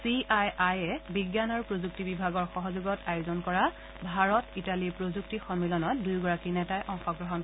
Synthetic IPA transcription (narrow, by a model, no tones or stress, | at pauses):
siʔajajɛbiɡjanɔɹpɹozuk̚tibibʱaɡɔɹxɔɦɔzuɡɔtajuzɔnkɔɹa | bʱaɹɔtitaliɹpɹozuk̚tixɔmilɔnɔt̚dujɡɔɹakinɛtajʔɔ̃ŋxɔɡɹɔɦɔn